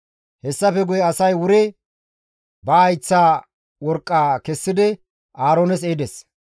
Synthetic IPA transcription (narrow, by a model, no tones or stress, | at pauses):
hɛsːɐfɛɡʊjɛɐsɐjwʊɾɛ | bɐːjt͡sːaː | wɔɾkʼːaːkɛsːɪd̪ɪ | ʔaːɾoːnɛs̬eːd̪ɛs